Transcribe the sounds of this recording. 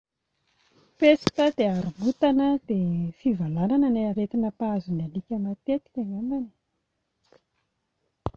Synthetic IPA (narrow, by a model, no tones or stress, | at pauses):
pesi̥t̪əd̪eaɾumut̪anəd̪̥efivalanananaaɾet̪inəpaazunalikʲəmat̪et̪i̥kʲaŋamani̥